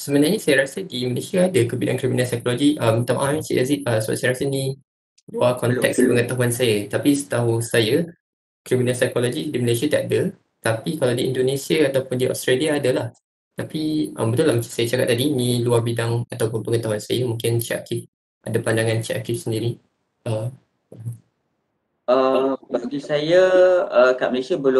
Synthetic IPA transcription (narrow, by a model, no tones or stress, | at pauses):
səmənarɲəsajaɾasədiməlesiaːdəkəbidankɾiminalsajkolod͡ʒiʔəmt̪amaʔamt͡ʃḭʔasiəsəa̰ʔsajəɾasənĩ | luakɔnt̪ɛkspəŋət̪aɦuansajat̪apisə̥t̪aɦusaja | kɾiminalsajkolod͡ʒidiməlesiat̪aadə | t̪apikalawdiindonesiaːt̪awpʊndiɔ̰st̪ɾeliaːdəlah | t̪apiʔə̰mbət̪ulahmə̃t͡ʃḁmsajat͡ʃakaʔ̚t̪ːadiniluarbidaŋat̪awpʊnpəŋət̪aɦuansajamũŋkɪnt͡ʃiʔa̰kɪf | ʔa̰dapandaŋãnt͡ʃḭʔa̰kɪfsəndiɾi | əm | m̩m | əbaɡisajaəkaʔməlesiabəlʊ